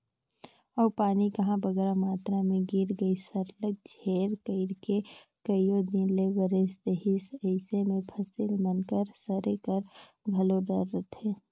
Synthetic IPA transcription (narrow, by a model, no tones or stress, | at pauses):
ɔːɾpaːnikɐɦãbəɡɾamaːt̪ɾamẽɡiɾɡəisəɾlək̚d͡ʒʱeːɾkəɪɾkekəijod̪ɪnlewəɾesd̪eɦɪsəɪsemẽpʰəsɪlmənkəɾsəɾekəɾ | ɡʱɐlod̪əɾːət̪ʰeː